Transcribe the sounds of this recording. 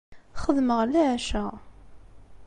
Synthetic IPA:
χəðməʁliʕʃæ

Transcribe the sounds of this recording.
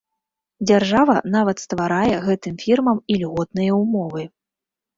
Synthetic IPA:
d͡zʲarʐavɐnavɐt̪st̪vaɾajɛɣɛt̪ɨmfʲirmɐmilʲɣɔt̪̚nɨjɐumɔvɨ

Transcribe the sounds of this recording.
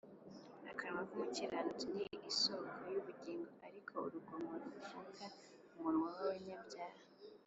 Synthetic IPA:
akʰaɾmavumuciɾanutinijʔisokʰojuβuɟiːŋɡoaɾikʰo̞ṵɾuɡomoɾaufuka | umunwawaweɲabɟaːha

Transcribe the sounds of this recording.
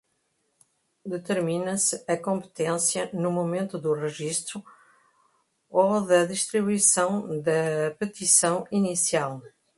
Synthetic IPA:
d̪ɨt̪ɨɾminɐsɨɐkõmpɨ̥t̪ẽsjɐnumumẽnt̪uðuʁɨʒiʃt̪ɾu | oðɐðiʃt̪ɾiβuisɐ̃w̃d̪ɐpɨt̪isɐ̃w̃inisialˠ

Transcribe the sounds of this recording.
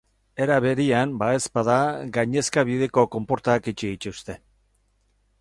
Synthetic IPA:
e̞ɾaβe̞ɾianbae̞spaðaɡajɲe̞skaβiðe̞ko̞ko̞mpo̞ɾt̪akit͡ʃiit͡ʃ̪ust̪e̞

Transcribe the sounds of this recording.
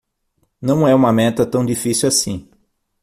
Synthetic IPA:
nɐ̃w̃ɛũmɐmɛt̪ɐt̪ɐ̃w̃d͡ʒifisiwasĩ

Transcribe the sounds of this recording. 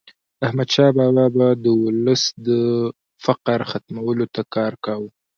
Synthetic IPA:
ahmad̪ʃɑbɑbɑbad̪əwʊləsd̪ə | faqɾxat̪mawəlot̪akɑɾkawu

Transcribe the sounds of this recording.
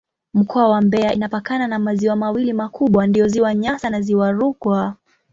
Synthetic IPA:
m̩kʰɔawambɛaʔinapakananamaziwamawilimakʰuɓwandiɔziwaɲasanaziwaɾukwa

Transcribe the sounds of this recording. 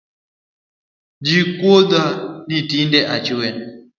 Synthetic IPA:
d͡ʒikwɔdanitindɛʔat͡ʃiwɛna

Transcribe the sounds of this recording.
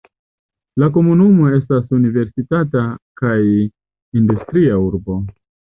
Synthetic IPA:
lak̬o̞munumo̞e̞stasunive̞ɾsitatakaj | industɾiauɾbo̞

